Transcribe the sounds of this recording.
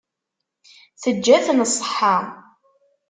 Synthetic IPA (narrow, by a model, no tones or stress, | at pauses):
θəd͡ʒːæθənsˤːəħːa